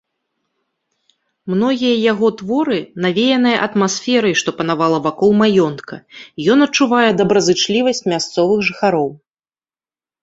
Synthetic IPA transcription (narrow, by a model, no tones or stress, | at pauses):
mnɔɣʲijɐjaɣɔt̪vɔɾɨnavʲejɛnɨjɐʔɐt̪masfʲɛɾɐjʂt̪ɔpɐn̪avalˠɐvakɔlˠmajɔnt̪kʰɐjɔnɐt͡ʂːuvajɛd̪ɐbɾɐzɨt͡ʂlʲivɐsʲt͡sʲmʲast̪sɔvɨxʐɨxaɾɔw